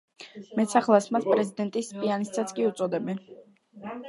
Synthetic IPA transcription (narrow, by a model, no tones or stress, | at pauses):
mɛt̪sʰaχlˠasmaspʼɾɛzid̪ɛnt̪ʼisːpʼianist̪sat̪sʰkʼiut̪sʼɔd̪ɛbɛn